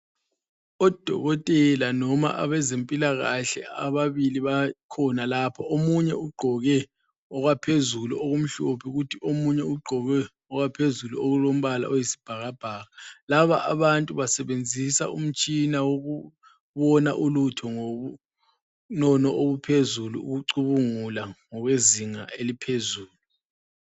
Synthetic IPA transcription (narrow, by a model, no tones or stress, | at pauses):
ɔd̥ʱɔ̰ɣɔtʼɛlanɔma̰ʔa̰βɛzempʼilaɣaɬɛ̰aβaβiliβakʰɔnalapʰɔʔomuɲɛuɡ͡ǃʱɔɣɛ | ɔɣwapʰezuluʔoɣum̩ɬopʰiɣutʰiomuɲɛuɡ͡ǃʱɔɣɛ | ɔɣwapʰezuluoɣulom̩βala̰ʔɔjisi̥b̥ʱaɣab̥ʱaːɣalaβa̰ʔa̰βantʼuβasɛβend͡zʱisa̰um̩t͡ʃʼinawoɣu | βɔna̰ʔulutʰɔŋou | nɔnɔʔoβupʰezulṵṵɣuǀuβuŋulaŋɔɣweziŋaʔelipʰezuːlu